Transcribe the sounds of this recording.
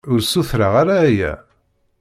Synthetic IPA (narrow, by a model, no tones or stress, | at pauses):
ʊɾsuθɾaʁaɾaːjæ̰